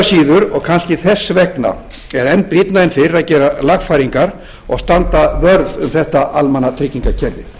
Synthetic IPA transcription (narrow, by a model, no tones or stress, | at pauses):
siːðʏɾɔɣkʰanscɪθɛsːvɛkna̰ | ɛɾɛnːpɾit̪naɪnfɪɾaðcɛːɾalaxfajɾiŋkaɾ̥ | ɔ̰ɣst̪ant̪avœɾðʏmθɛht̪aʔalmɛnːat̪ʰɾɪcːiŋkacʰɛɾðɪ